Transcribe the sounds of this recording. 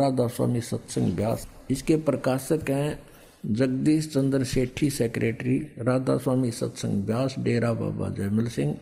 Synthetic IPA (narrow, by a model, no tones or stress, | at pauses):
ɾaːd̪aːswa̰ːmisɐt̪sɪ̰̃ŋɡbjaːs | ɪskepɾəkaːʃəkɦɛ̃ː | d͡ʒəɡ̚d̪iːst͡ʃə̃nd̪ɾseːʈʰːiseːkɾeːʈɾiɾaːd̪a̰ːswaːmisɐ̰t̪sɪ̰̃ŋɡbjaːsɖeːɾaba̰ːba̰d͡ʒɛːmɪlsɪ̃ŋɡ